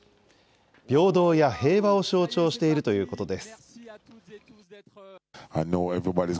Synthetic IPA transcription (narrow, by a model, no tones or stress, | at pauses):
b̥ʲo̞ːd̪o̞ːjahe̞ːβao̞ɕo̞ːt͡ɕo̞ːɕi̥t̪e̞iɾɯ̟t̪o̞jɯ̟ːko̞t̪o̞d̪e̞sɨ̥ | aɪnoɛvɹibaɾiz